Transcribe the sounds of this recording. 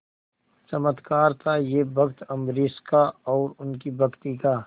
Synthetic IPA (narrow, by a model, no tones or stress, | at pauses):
t͡ʃɐmət̪kaːɾt̪ʰajebʱɐkt̪ɐmɾɪskaɔːɾʊnkibʱɐkt̪ikaː